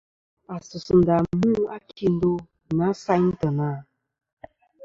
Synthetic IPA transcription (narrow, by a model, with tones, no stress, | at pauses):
a˨su˨su˨n˨da˨mũ˦a˦kʰi˦n˦do˦ | na˨˦sa˦ɲ̩˦tə˨na˨